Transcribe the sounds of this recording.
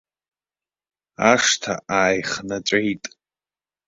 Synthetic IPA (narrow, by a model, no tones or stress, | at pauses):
aʂtʰa̰aːjχnaʈ͡ʂʷʼejtʼ